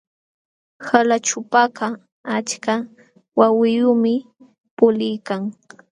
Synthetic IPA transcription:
halat͡ʃʊpaqɑ | at͡ʃka | wawɪjʊmɪ | pʊlɪjkaŋ

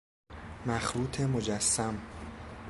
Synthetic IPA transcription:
mæxɾuːt̪ʰemo̞d͡ʒæsːæm

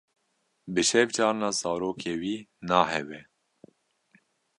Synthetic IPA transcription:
bɨʃɛvt͡ʃɑːɾnɑːzɑːɾoːkʰeːwiːnɑːhɛwɛ

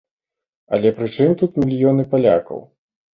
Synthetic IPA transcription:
ɐ̰lʲɛpɾɨt͡ʂɨmt̪ut̪mʲilʲjɔnɨpalʲa̰kɐ̰w

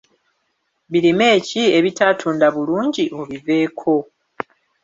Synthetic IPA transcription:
βiɾime̞ːcie̞βitaːtʰuːndaβuluːɲɟiʔoβive̞ːkʰo̞

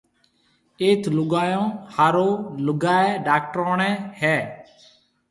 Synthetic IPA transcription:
eːt̪ʰlʊɡaːjõːhaːɾoːlʊɡaːeːɖaːk̚ʈɾoːɳ̃ɛːhɛː

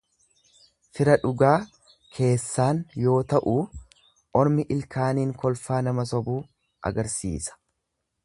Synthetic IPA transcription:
fɪɾɐᶑʊɡaː | kʰe̞ːsːaːnjo̞ːt̪ɐʔuː | ɔɾmɪʔɪlkʰaːniːŋkɔlfaːnɐmɐsɔbuː | ʔɐ̰ɡɐɾsḭːsɐ̥

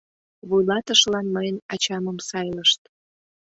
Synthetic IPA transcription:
βujlɑt̪əʃlɑnməjənɑt͡ɕɑməmsɑjləʃt̪

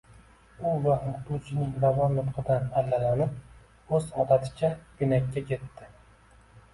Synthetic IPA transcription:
ʊvaʊqt̪ʰut͡ʃʰɪnɪŋɾavɒnːʊt̪qʰɨd̪analːalanɪp̚ | ɵzɒt̪at̪ʰɪ̥t͡ʃʰʲabɪnakʲːakʲʰe̞t̪ːɪ

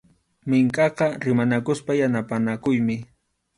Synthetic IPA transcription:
mɪŋkʼɑqɑɾɪmanakʊspajanapanakʊjmɪ

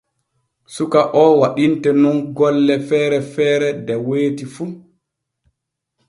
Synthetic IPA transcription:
sukaʔɔwaɗintɛnɔnɡɔlːɛfɛːɾɛfɛːɾɛdɛweːtifu

